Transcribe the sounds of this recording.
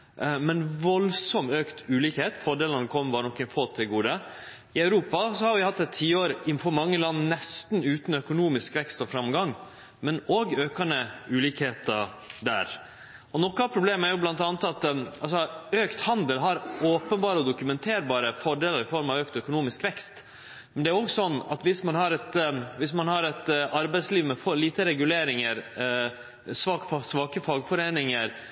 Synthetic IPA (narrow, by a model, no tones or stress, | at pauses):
mɛnʋɔlsɔmøːkt̪ʉːliːkheːt̪fɔɖeːlnɑnkʰɔmːəbɑːɾənɔkːɛnfoːt̪ʰɪlɡuːd̪ə | ɪɑʉɾuːpɑsɔhɑɾʋɪhɑt̪ːɛt̪ʰːiːoːɾɪnfɔɾmɑŋːəlɑnːnɛst̪nʉːt̪n̩œkʊnuːmɪskʋɛkst̪ɔfɾɑmɡɑŋ | mɛnoːɡøːkɑnəʉːliːkheːt̪ə | d̪æ̰ːɾ | ɔnɔkːɑpʰɾʊbleːməæɾjʊblɑnt̪ɑnət̪ɑt̪ɑls̬ɔøːkt̪hɑnd̪əlɦɑɾoːpənbɑːɾəɔd̪ʊkʉmɛnt̪ʰeːɾbɑːɾəfɔɖeːləɾɪfɔɾmɑʋøːkt̪œkʊnuːmɪskʋɛkst̪ | mɛnd̪ɛæɾɔɡsɔnːɑt̪ʋɪsmɑnɦɑɾɛt̪ʋɪsmɑnhɑɾɛt̪ɑɾbæɪsliːʋmɛfɔliːt̪əɾɛɡʉleːɾɪŋəɾ | sʋɑksʋɑːkəfɑɡfɔɾeːnɪŋəɾ